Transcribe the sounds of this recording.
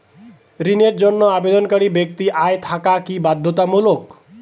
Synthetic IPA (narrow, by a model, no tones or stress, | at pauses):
ɾineʈd͡ʒɔnːɔabed̪ɔnkaɽibjek̚t̪iʔajt̪ʰakakibad̪ʱːot̪amulok